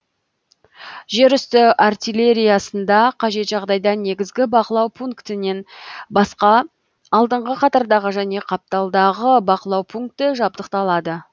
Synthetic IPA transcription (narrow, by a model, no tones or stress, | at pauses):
ʒe̞ɾʏst̪ɪʔart̪ijlʲe̞ɾʲijasənd̪ɑqʰɑʒe̞t̪ʒɑʁd̪ɑjd̪ɑne̞ɡʲɪzɡʲɪbɑqəlˠɑwpʰuŋkt̪ɪne̞nbɑsqɑː | lˠd̪əɴʁəqʰɑt̪ɑɾd̪ɑʁəʒæne̞qʰɑp̚t̪ɑlˠd̪ɑʁəbɑqəlˠɑwpʰuŋk̚t̪ɪʒɑb̚d̪əqt̪ɑlˠɑd̪ə